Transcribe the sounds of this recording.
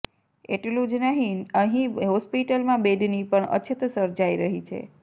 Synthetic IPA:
eʈlũd͡ʒnəɦiəɦĩɦɔspiʈəlmãbeɖnipəɳə̰t͡ʃʰət̪səɾd͡ʒaiɾəɦit͡ʃʰḛ

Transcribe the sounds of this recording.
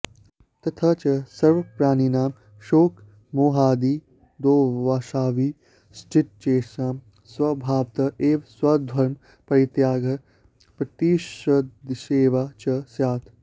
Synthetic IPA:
t̪ɐt̪ʰɐt͡ʃɐsɐɾʋɐpɾaːninaːm | ʃoːk | moːɦaːd̪iː | d̪oːʋaːʃaːʋiː | sʈiʈ̪̚t͡ʃeːʃaːm | swɐbʱaːʋt̪ɐʔeːʋswɐd̪ʱwɐɾm | pɐɾit̪jaːɡʱɐ | pɾɐt̪iːʃɐd̪ʃeːʋaːt͡ʃɐsjaːt̪ʰ

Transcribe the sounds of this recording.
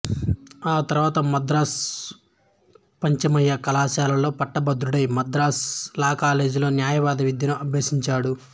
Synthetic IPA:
aːt̪ɐɾʋaːt̪ɐmɐd̪ɾaːs | pɐɲt͡ʃɐmɐjːɐkɐlaːsaːlɐlo̞ːpɐʈːɐbɐd̪ɾuɽɐjmɐd̪ɾaːslaːkaːle̞ːd͡ʒlo̞ːnjaːjɐʋaːd̪ɐʋid̪ʱjɐnuʔɐbʱjeːsiɲt͡ʃaːɽu

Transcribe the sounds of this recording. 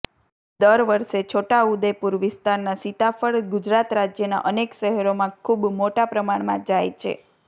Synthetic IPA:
d̪əɾʋəɾʃet͡ʃʰoʈaud̪epuɾʋɪst̪aɾnasit̪afəɭɡud͡ʒɾat̪ɾad͡ʒjəna̰ʔənekʃəɦɛɾomãkʰubmoʈapɾəmaɳmã̰d͡ʒajt͡ʃʰḛ

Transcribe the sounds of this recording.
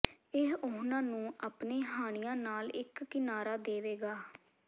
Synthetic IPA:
ɪɦʊɦnãːnũːʔaːpneːɦaːɽ̃ɪjãːnaːlɪkːɪnaːɾaːd̪eːʋeːɡaː

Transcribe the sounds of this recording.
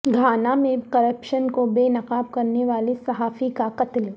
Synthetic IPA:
ɡʱaːnamẽkɐɾəpʃənkobeːnɐqaːb̚kɐɾneʋaːlisɐɦaːfikaqɐt̪l

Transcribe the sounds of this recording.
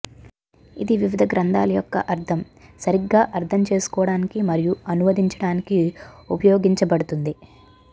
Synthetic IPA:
id̪iʋiʋid̪ʱɐɡɾɐnd̪a̰ːlɐjɔkːɐʔɐɾt̪ʰɐm | sɐɾiɡːaːʔɐɾt̪ʰɐmt͡ʃe̞ːsu̥kɔːɐɽaːnikimɐɾijuɐnumɐd̪iɲt͡ʃɐɽaːnikiupɐjoːɡiɲt͡ʃɐbɐɽut̪und̪i

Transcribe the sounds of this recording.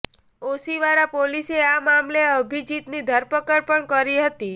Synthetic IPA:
osiʋaɾapoliseamamleəbʱid͡ʒit̪nid̪ʱəɾpəkəɾpəɳkəɾiɦət̪i

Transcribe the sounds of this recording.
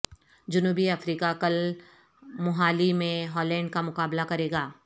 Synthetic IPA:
d͡ʒʊnuːbiɐfɾiːkakɐl | mʊɦaːlimẽɦɔːlɛ̃ːɳɖ̚kamʊkaːblakɐɾeːɡaː

